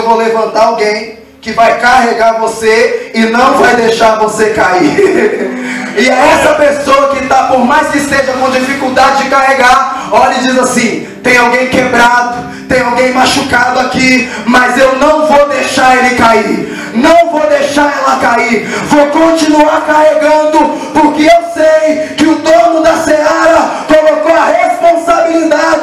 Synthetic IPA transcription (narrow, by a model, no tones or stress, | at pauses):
wvolevɐ̃nt̪aɾawɡẽj̃ | kɪvajkaɦeɡaɾvoseɪnɐ̃w̃vajd̪ejʃaɾvosekai | ɪɛɛsɐpesoɐkɪt̪apʊɾmajskɪseʒɐkõd͡ʒifikuwd̪ad͡ʒɪd͡ʒɪkaheɡaɾɔʎɐd͡ʒizasĩt̪ẽj̃awɡẽj̃kebɾad̪ʊ | t̪ẽj̃awɡẽj̃maʃukad̪ʊaki | mɐzewnɐ̃w̃vowd̪ejʃaɾelɪkaiɾ | nɐ̃w̃vowd̪ejʃaɾɛlɐkaiɾvowkõt͡ʃinuaɾkaɦeɡɐ̃d̪ʊ | poɾkeewsejkɪʊd̪õnʊd̪ɐseɔɾɐkolokoɐhespõsabilid̪ad͡ʒɪ